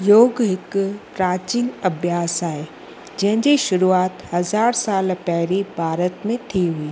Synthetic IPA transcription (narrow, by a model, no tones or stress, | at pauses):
joːɡɦɪkpɾaːt͡ɕiːnɐbʱjaːsaːɦe | d͡ʑɐ̃ɦɪ̃d͡ʑiʃʊɾuaːt̪hɐzaːɾsaːlpɛɦɪɾibʱaːɾət̪mẽt̪ʰiɦʊiː